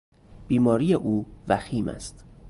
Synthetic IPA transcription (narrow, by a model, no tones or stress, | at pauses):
b̥iːmɒːɾiːjeʔuːvæxiːmʔæ̰st̪